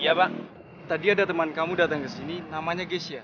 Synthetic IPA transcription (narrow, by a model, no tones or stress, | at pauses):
jaba | t̪adiadat̪əmankamudat̪aŋkəsininamaɲaɡesia